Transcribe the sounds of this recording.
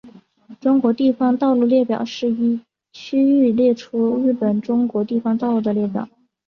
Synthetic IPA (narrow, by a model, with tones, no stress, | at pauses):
ʈ͡ʂʊ˥ŋkwɔ˧˥t̪i˥˩fɑ˥ŋt̪ɑ˥˧ʊlu˥˧ljɛ˥˩pjɑ̰˨˩ʊʂɻ̩˥˩i˥ | t͡ɕʰy˥y˥˧ljɛ˥˩ʈ͡ʂʰu˥ɻɻ̩˥˩pə˨˩nʈ͡ʂʊ˥ŋkwɔ˧˥t̪i˥˩fɑ˧˥ŋt̪ɑ˥˧ʊlu˥˩d̪ə˩ljɛ˥˩pjɑ̰˨˩˦